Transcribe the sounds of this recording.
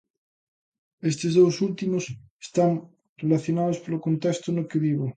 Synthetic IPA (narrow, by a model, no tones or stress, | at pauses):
est̪ezðowsult̪imose̥st̪aŋ | relaθjonaðospolokont̪est̪onokeβiβo